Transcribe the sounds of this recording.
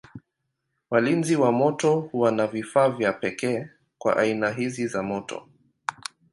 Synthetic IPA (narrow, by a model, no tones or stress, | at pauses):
walinziwamɔtɔhuwanavifaːvjapɛkɛː | kwa̰ʔainaɦizizamɔtɔ̰